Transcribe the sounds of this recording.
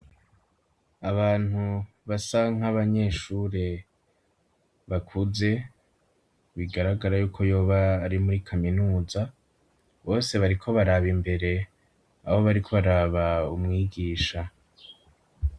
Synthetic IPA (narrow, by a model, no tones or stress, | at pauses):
aβaːn̥hu | βasaŋ̥aβaɲe̞ʃuːɾe | βakʰuze̞ | βiɡaɾaɡaɾajuːkʰo̞jo̞ːβaːɾimuɾikʰaminuːza | βo̞ːse̞βaɾikʰo̞βaɾaβimbe̞ɾe̞ | aβo̞βaɾikʰo̞βaɾaːβaumŋiːɡiːʃa